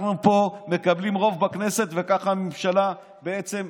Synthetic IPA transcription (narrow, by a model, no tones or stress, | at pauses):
nupo̞me̞kablimʁo̞vbakne̞se̞t̪ve̞kaχamemʃala | be̞et͡se̞m